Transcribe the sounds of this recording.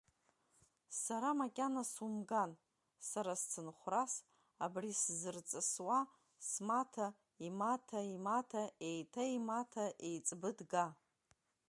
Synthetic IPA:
saɾamakʲʼanasumɡan | saɾast͡sʰɨnχʷras | abriszɨrt͡sʼɨswa | smatʰa | imatʰaimatʰae̞jtʰaimatʰaʔejt͡sʼbɨdɡa

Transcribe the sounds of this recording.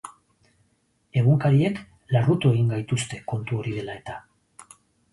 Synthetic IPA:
e̞ɣ̞uŋkaɾie̞k | larut̪ue̞ɣiŋɡajt̪ust̪e̞ko̞nt̪uo̞ɾið̞e̞lae̞t̪a

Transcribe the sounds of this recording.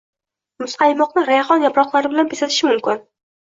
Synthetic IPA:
mʊsqʰɑjmɒqnɪɾajaχɒnjapɾɒχlˠaɾɪbɪlanpʰesat̪ʰɪ̥ʃɪmʊmkʲɪn

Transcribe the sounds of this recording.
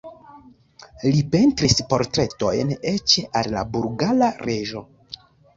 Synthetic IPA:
lipe̞ntɾispo̞ɾtɾe̞to̞jne̞t͡ʃeʔalːa̰buɾɡalaɾe̞ʒo̞

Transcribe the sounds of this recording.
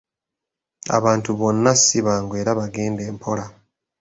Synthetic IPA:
a̰βaːntuβo̞nːasiβaːŋɡwe̞ːɾaβaɡe̞ːnde̞ːmpʰo̞ɾa

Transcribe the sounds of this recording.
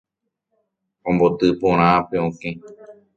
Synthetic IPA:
õmbot̪ɨpõɾ̃ãpeõkẽ

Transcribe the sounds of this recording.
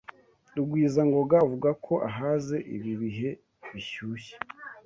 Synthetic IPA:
duɡwiːzaŋɡo̞ɡauvuɡakʰo̞ʔaɦaːze̞ʔḭβiβiɦe̞ | βiçuːçe̥

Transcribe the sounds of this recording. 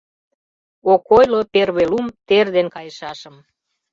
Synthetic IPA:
okojloperβelumt̪erd̪enkɑjəʃɑʃəm

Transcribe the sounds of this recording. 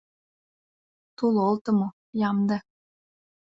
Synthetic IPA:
t̪ulolt̪ɤ̆mo | jɑmd̪ĕ

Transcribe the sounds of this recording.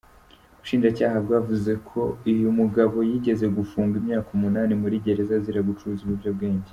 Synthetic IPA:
uβuʃiːnd͡ʒacaːɦabɡwaːvuze̞kʰo̞ijumuɡaβo̞jiːɟe̞ze̞ɡufuːŋɡimɲaːkumunaːnimuɾiɟe̞ɾe̞zaziɾaɡut͡ʃuɾuzuβuvɟob̚ɡe̞ːɲɟe

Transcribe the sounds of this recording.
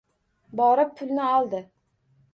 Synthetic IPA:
bɒɾɤpːʰʉlnɘɒlˠd̪ɤ

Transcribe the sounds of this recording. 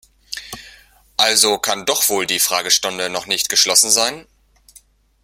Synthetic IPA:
ʔalzokʰandɔχv̥oːldiːfʁ̥aːɡəʃtʊndənɔχnɪçtɡ̥əʃlɔsn̩zaɪn

